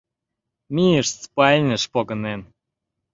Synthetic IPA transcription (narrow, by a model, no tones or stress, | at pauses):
mʲijəʃspɑlʲnʲəʃpoɣə̆nen